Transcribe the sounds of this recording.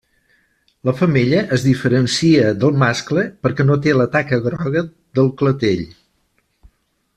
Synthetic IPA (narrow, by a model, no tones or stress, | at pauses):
ləfəmeʎəʔəzðifəɾənsiəðəlˠmaskləpəɾkɛnot̪̬elət̪akəɣɾɔɣə | ðəlˠklət̪eʎ